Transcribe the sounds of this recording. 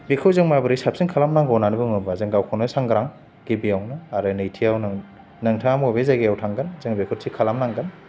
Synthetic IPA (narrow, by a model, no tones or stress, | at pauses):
bekʰɯwzɯŋmabɯɾisap̚siŋkʰalamnaŋɡɔwnanibɯŋɯbazɯŋɡawkʰɔnɯsaŋɡɾaŋ | ɡ̥ebijawnɯaɾɯnɯjtʰiawn | naŋtʰaamɔbezaɡejawtʰaŋɡanzɯŋbekʰɯtsʰikʰalamnaŋɡan